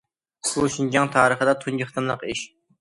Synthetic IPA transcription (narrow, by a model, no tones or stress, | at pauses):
b̥uʃind͡ʒɑŋt̪ʰɑːɾəχəd̪ɑt̪ʰund͡ʒɨχt̪ɨmlˠəqiʃ